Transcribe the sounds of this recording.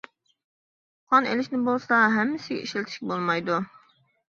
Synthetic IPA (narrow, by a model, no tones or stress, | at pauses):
qʰɑnḛlɪʃnɪbolˠsɑɦɛmːɪsɪɡʲɛ̰iʃlt̪ʰɪ̥ʃʲkʲbolˠmɑjd̪u